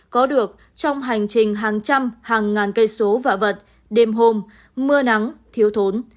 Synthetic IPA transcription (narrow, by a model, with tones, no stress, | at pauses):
kɔ˨˦ɗɨ˨˩ək̚ | t͡ɕɔ˧wŋ͡mɦa˨˩jŋ̟t͡ɕï˨˩ŋ̟ɦaː˨˩ŋt͡ɕa˧mhaː˨˩ŋːaː˨˩nkə˧jso˨˦va̰ː˧˨˩və˨˩t̚ | ɗe˨˩mɦo˧˩m | mɨ˧əna˨˦ŋt̪ʰi˨˦əwt̪ʰo˨˦n